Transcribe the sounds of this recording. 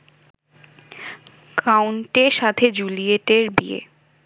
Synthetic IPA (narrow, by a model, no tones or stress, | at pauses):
kawɳʈeʃat̪ʰed͡ʑulieʈeɾbiḛ